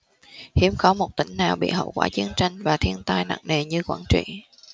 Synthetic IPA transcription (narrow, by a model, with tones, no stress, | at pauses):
hi˨˦əmkɔ˨˦mo˨˩t̚t̪ï˧˩ŋ̟naː˨˩wɓḭ˧˨ɦə̰˧˨wkwa̰ː˧˥t͡ɕi˨˦ənt͡ɕa˧jŋ̟vaː˨˩t̪ʰi˧ənt̪aː˧jna̰˧˨ŋne˨˩ɲɨ˧kwaː˧˩nt͡ɕḭ˧˨